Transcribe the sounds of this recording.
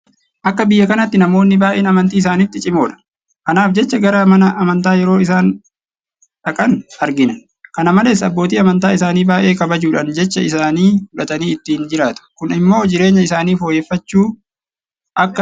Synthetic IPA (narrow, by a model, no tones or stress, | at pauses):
ʔɐkːɐbɪjːɐkɐnɐt̪ːɪnɐmo̞ːnːɪbaːʔeːnɐmɐnt̪iːɪs̬aːnɪt̪ːɪt͡ʃʼɪmo̞ːᶑɐ̥ | kɐnaːfd͡ʒɛt͡ʃːɐɡɐɾɐmɐnɐʔɐmɐnt̪aːjɛɾo̞ːɪsaːn | ᶑɐkʼɐnɐɾɡɪnɐ | kɐnɐmɐle̞ːsɐbːoːt̪iːɐmɐnt̪aːɪsaːniːbaːʔe̞ːkɐbɐd͡ʒuːᶑɐnd͡ʒɛt͡ʃːɐɪsaːniːfʊᶑɐt̪ɐniːɪt̪ːiːnd͡ʒɪɾaːt̪ʊ̥kʊnɪmːo̞ːd͡ʒɪɾe̞ːɲːɐɪsaːniːfo̞ːjeːfːɐt͡ʃːuː | ʔɐkː